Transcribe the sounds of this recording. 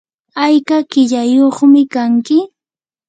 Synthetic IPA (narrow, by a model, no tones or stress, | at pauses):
ajkakɪʎajoχmɪkaŋkɪ